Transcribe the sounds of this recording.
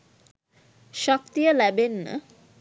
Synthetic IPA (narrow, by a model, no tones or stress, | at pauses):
ʃɔk̚t̪ijəlæbenːə̰